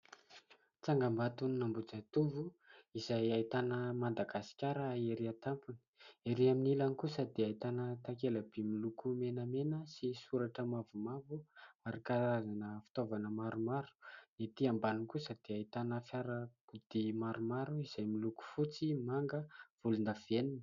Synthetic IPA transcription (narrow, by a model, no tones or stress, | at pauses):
t͡saŋɡambat̪uniːambud͡zat̪uvuizajait̪anəmand̪aɡasi̥kʲaɾaeɾiat̪ampuni̥eɾiaminilanikusəd̪eajt̪anət̪akelab̥imilukumenəmenəsisuɾaʈ͡ʂəmavumavuaɾikaɾazanəfi̥t̪ovanəmaɾumaɾu̥net̪iambaniŋkusəd̪̥eajt̪anəfjaɾəkud̪̥imaɾumaɾuiz̥ajmiluku̥fut͡simaŋɡəv̥ulund̪av̥enin